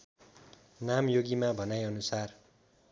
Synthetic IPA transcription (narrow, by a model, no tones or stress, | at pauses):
namjoɡimabʱʌnajʌnusar